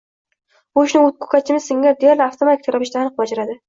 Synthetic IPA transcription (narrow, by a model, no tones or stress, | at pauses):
bʊʃnɪʊt̪̚kʰɵ̥kʰat͡ʃʰɪmɪzsɪŋʲad̪ejaɾlɪaft̪ʰomat̪ik̚ʲt̪ʰoɾapɪʃt̪aːnɨq̚bad͡ʒaɾad̪ɪ